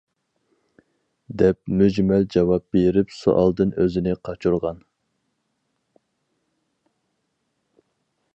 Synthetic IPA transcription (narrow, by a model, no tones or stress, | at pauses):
d̪ɛp̚myd͡ʒmɛld͡ʒɑwɑp̚b̥eɾɪpsṵʔɑ̰lˠd̪ɨnøzɪnɪqʰɑt͡ʃʰuɾʁɑn